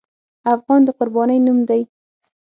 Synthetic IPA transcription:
afɣɑnd̪əqʊɾbɑnəjnumd̪aj

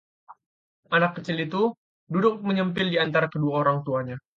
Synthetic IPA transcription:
anakːət͡ʃɪlit̪u | dudʊk̚məɲəmpɪldiant̪aɾakəduaoɾaŋt̪uaɲa

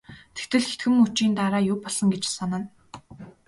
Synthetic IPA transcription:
t̪ʰe̥xt̪ɘ̆ɮxet̪ɡɘ̆mut͡ɕiːnt̪aɾaːjʊːpɔɮɞ̆ŋɡet͡ɕsɔnə̆n

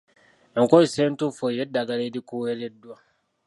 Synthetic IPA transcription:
ɛŋkoisentufojɛdaɡaɾedikujeɾedua

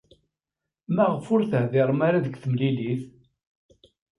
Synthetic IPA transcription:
mæʁfʊɾθəhðɪɾˤmaɾaðəɡθəmliliθ

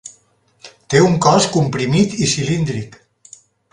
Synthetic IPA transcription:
t̪euŋkɔskumpɾimit̪isilind̪ɾik

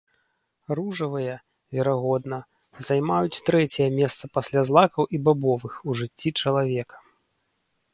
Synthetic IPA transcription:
ruʐɐvɨjɐ | vʲɛɾaɣɔd̪nɐ | zajmajut͡sʲt̪ɾɛt͡sʲɛjɐmʲɛst̪sɐpasʲlʲazlˠakɐwʔibabɔvɨxuʐɨt͡sʲːit͡ʂɐlˠavʲɛkɐ̥

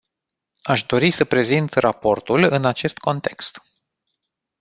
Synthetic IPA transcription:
aʃd̪o̞ɾisəpɾe̞zint̪rapo̞rt̪ulɨnat͡ʃe̞st̪ko̞nt̪e̞kst̪

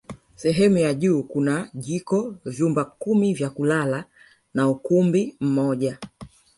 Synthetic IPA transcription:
sɛɦɛmujaʄuːkunaʄikɔvjumbakumivjakulala | naukumbim̩mɔʄa

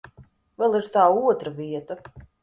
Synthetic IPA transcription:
vɛlˠiɾt̪aːuɔt̪ɾaviɛt̪a

